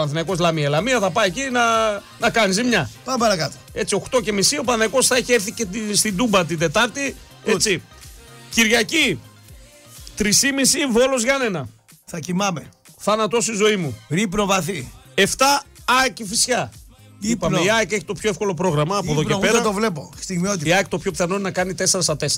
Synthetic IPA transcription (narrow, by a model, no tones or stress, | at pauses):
ɐnθinɐiko̞zlɐmielɐmiɐθɐpɐicinɐ | nɐkɐnizimɲɐpɐmpɐɾɐkɐt̪o̥e̞t͡sio̞xt̪o̞ce̞misio̞pɐnθɐko̞sθɐeçie̞ɾθicet̪ist̪id̪umbɐt̪̬id̪e̞t̪ɐɾt̪i | et͡si | ciɾʝɐci | t̪ɾisimisivo̞lo̞zʝɐne̞nɐ | θɐcimɐme | θɐnɐt̪o̞st̪izo̞imuɾipnovɐθi | e̞ft̪ɐːekifisçɐ | ipɐmeiɐke̞çi̥t̪o̞pço̞efko̞lo̞p̬ɾo̞ɣɾɐmɐːpoðoepeɾɾɐt̪ovle̞po̞st̪iɣmiot̪̬iiɐk̚t̪opço̞pθɐnonɐkɐnit̪e̞seɾɐsɐt̪e̞s